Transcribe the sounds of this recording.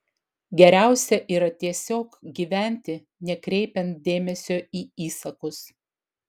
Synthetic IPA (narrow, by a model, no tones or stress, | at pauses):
ɡʲɛɾʲæˑʊsʲɛʔiːɾɐt̪ʲiɛsʲoːkɡʲiːʋʲæˑnʲt̪ʲɪ | nʲɛkɾʲɛɪpʲɛnt̪̚d̪ʲeːmʲɛsʲoːiːiːsɐkʊs